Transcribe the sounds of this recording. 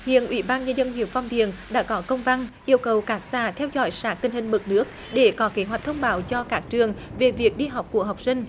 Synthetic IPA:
hḭ˧˨ənʔwḭ˧˩ɓaː˧nɲə˧nzə˧nhḭ˨˧˩əwfa˧wŋ͡mt̪ḭ˧˨ənɗa̰ː˧˥kɔ˨˦kə˧wŋ͡mva˧nʔi˧əwkə˨˩wkaː˨˦˥k̚sa̰ː˧˩t̪ʰɛ˧wzɔ̰˧˩˦jsaː˨˥t̪ï˧ŋ̟hï˨˩ŋ̟mɨ˨˩t̚nɨ˦˥ək̚ | ɗe˧˩kɔ˨˦ke˨˦ɦwa˨˩k̟̚t̪ʰə˧wŋ͡mɓaː˨˦wt͡ɕɔ˧kaː˦˥k̚t͡ɕɨ˨˩əŋve˨˩vi˨˩ək̚ɗi˧ɦa˨˩wk͡p̚ku˧˩əɦa˨˩wk͡p̚sï˧ŋ̟

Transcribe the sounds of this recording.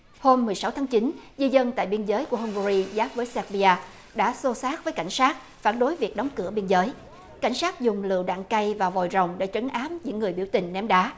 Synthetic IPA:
ho˧mːɨ˨˩əjsa˨˦wt̪ʰaː˨˦ŋt͡ɕi˨˦nzi˧zə˧nt̪a̰ː˧˨jɓi˧ənzəː˨˦jku˧˩hʊ˧ŋ͡mvu˧zi˧zaː˦˥p̚vəː˨˦jsɛ˧k̚ɓi˧aː˧ | ɗa̰ː˧˥so˧saː˦˥t̚vəː˨˦jka˧˩jŋ̟saː˦˥t̚ | faː˧˩nɗo˨˦jvi˨˩ək̚ɗɔ˨˦wŋ͡mkɨ˧˩əɓi˧ənzəː˨˦j | ka˧˩jŋ̟saː˦˥t̚zʊ˨˩ŋ͡mlɨ̰˧˨əwɗa̰ː˧˨ŋka˧jvaː˨˩wvɔ˨˩jzə˨˩wŋ͡mɗḛ˧˥t͡ɕə˨˦ŋʔaː˨˦mɲɨ̰˧˥ŋːɨ˨˩əjɓi˧˩əwt̪ï˨˩ŋ̟nɛ˨˦mɗaː˨˦

